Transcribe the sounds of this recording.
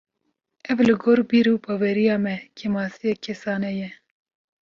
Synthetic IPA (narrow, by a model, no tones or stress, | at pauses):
ɛvlɨɡoːɾbiɾubɑːwɛɾijɑːmɛkʰɛmɑːsijɛkʰɛsɑːnɛjɛ